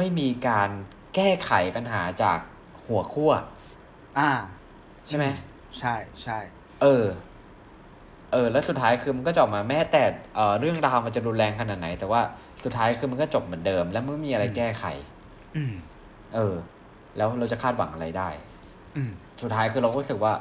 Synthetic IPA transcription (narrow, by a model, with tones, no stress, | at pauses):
ma˥˩jmiː˧kaː˧n | kɛː˥˩kʰa˨˩˦jpa˧nɦa̰ː˩˦t͡ɕa̰ː˨˩k̚ | hu˨˩˦ɐkʰu˥˩ɐ | ʔaː˧˩ | t͡ɕʰa˥˩jma˦˥j | t͡ɕʰa˥˩jt͡ɕʰa˥˩j | ʔɤː˧ | ʔɤː˧lɛː˦˥wsu˨˩t̪ʰːaː˦˥jkʰɯː˧ma˧nkɔː˥˩t͡ɕɔː˨˩p̚maː˧mɛː˦˥t̪ɛː˨˩ʔɤː˨˩ɾɯ˥˩əŋɾaː˧wma˧nt͡ɕa˨˩ɾu˧nlɛː˧ŋkʰa˧na˨˩t̪̚na˩˦jt̪ɛː˨˩waː˥˩ | su˨˩t̪ʰːaː˦˥jkʰɯː˧ma˧nkɔː˥˩t͡ɕo˨˩p̚mɯ˩˦əndɤː˧mlɛː˦˥wma˧nkɔ˥˩miː˧ʔɾa˧jkɛː˥˩kʰa̰˨˩˦j | ʔɤː˧ | lɛː˦˥wɾa˧wt͡ɕa˨˩kʰaː˥˩t̪̚wa̰˩˦ŋʔa˧ɾa˧jdaː˥˩j | su˨˩t̪ʰːaː˦˥jkʰɯː˧ɾa˧wɾuː˦˥sɯ˨˩k̚waː˥˩